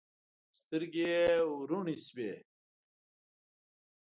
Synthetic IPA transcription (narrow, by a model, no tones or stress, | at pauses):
st̪iɾɡeuɾuɳisbe